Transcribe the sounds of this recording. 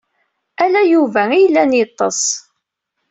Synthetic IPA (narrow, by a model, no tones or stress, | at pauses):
ælæjuvæijəlːænjit̪ˤːɑsˤ